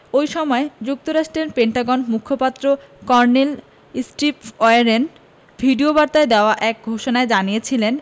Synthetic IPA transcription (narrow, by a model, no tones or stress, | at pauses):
ojʃɔmɔed͡ʑuk̚t̪oɾaʃʈeɾpeɳʈaɡonmukʰːopat̪ːɾo | kɔɾnel | sʈipɔeaɾen | bʱiɖiobaɾt̪aed̪eoaʔɛk̚ɡʱoʃonaed͡ʑanijet͡ɕʰilen